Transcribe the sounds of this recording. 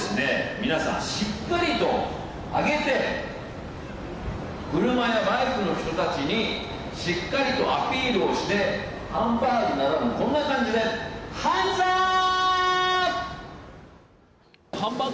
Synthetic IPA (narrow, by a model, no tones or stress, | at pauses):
sɨne̞mʲinasã̰ɕikːaɾʲit̪o̞ | a̰ɡe̞t̪e̞ | kɯ̟ɾɯ̟majabaikɯ̟no̞ç̥t̪o̞t̪at͡ɕiɲ̟i | ɕikːaɾʲit̪o̞ʔa̰pʲiːɾɯ̟o̞ɕi̥t̪e̞ | hãmbainaɾonokõ̞nːakãɲ̟d͡ʑid̪e̞hanza | hãmbã